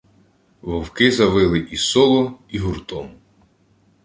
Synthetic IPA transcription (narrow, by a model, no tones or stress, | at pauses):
ʋɔwkɪzɐʋɪlˠɪʔisɔlˠɔiɦʊrt̪ɔm